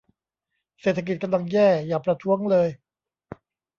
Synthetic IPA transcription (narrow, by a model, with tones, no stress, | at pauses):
seː˨˩t̪ʰːa˧ki˨˩t̪̚ka˧mla˧ŋjɛː˥˩jaː˨˩pɾa˧t̪ʰu˦˥əŋlɤː˧j